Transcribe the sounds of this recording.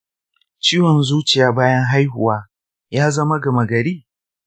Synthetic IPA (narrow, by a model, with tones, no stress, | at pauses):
t͡ʃiː˦wɔ˨nzuː˦t͡ʃɪ˨jaː˨˦baː˦jɐ˦ŋɦa˦jhʊ˨waː˦ | jaː˦zɐ˦ma˦ɡɐ˨mɐ˨ɡɐ˨ɾiː˦